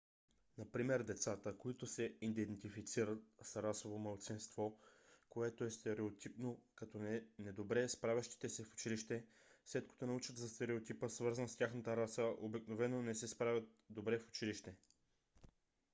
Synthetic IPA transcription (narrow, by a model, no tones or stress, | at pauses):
nɐpɾimɛɾd̪ɛt̪sat̪əkoit̪ʊsɛid̪ɛnt̪ifit̪siɾət̪̚sɾasovomɐlˠt̪sinst̪vokoɛt̪oɛst̪ɛɾɛot̪ʰipnokɐt̪ɔnɛd̪obɾɛspɾavʲəʃt̪i̥t̪ɛsɛfʊ̥t͡ʃiliʃt̪ɛ | slɛt̪ko̥t̪onɐut͡ʃət̪zɐst̪ɛɾɛot̪ipəsvɤɾzənst̪ʲjaxnət̪əɾasəʔobiknovɛnːonɛsɛspɾavʲət̪̚ | d̪obɾɛfʊ̥t͡ʃiliʃt̪ɛ